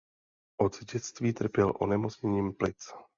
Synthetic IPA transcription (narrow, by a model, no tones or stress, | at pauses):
ʔo̞dzɟɛt͡st̪viːt̪r̩pjɛlʔo̞̰nɛmo̞t͡sɲɛɲiːmplɪt͡s